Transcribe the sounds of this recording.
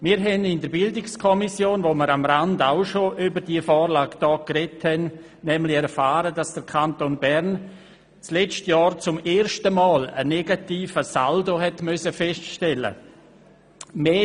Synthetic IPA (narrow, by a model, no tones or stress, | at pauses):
miːɾɦɛnɪndəɾbɪldɪkskʰɔmisjoːnʋoməɾamɾandaʊʃoʔybəɾdiəfɔːɾlaːkd̥ɔːkrɛthɛn | nɛmlɪɛɾfaːɾədasd̥əɾkʰantonbɛɾn | t͡slɛt͡ʃtjɑːɾt͡sʊmeːɾʃtəmaːlə̰nɛɡatiːfəsaldoɦɛtmʏsəfɛstʃtɛlə̰ | meː